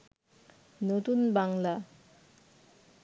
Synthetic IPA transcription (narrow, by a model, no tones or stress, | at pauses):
not̪unbaŋla